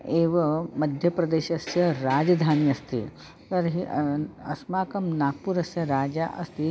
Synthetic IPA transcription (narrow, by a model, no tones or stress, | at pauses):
eːʋɐmɐd̪ʱjɐpɾɐd̪eːʃɐsjɐɾaːd͡ʒɐd̪ʱaːniɐst̪ḭ | t̪ɐɾɦiɐsmaːkɐmnaːɡ̚puɾɐsjɐɾaːd͡ʒaːʔɐst̪i